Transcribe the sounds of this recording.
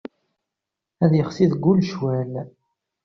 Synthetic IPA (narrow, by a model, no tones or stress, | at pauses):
æðjəχsiðɡːulʃwæl